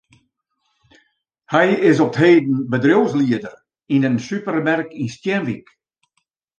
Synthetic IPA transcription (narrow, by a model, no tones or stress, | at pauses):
hɛjɪs̬ɔp̚theːdn̩bədrowsliədər | inənsypəɾmɛrkinstjɛnʋik